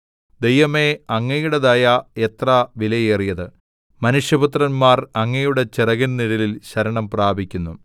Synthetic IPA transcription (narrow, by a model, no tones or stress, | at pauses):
d̪ejʋɐme̞ɐŋːɐjuɽeðaːjɐet̪rɐʋilɐjeːrijɐðɨ | mɐnuʂjɐbut̪rɐnmaːrɐŋːɐjuɽe̞t͡ɕirɐɣɐnniɽililɕɐɾɐɳɐmpraːbʱikʲːunːu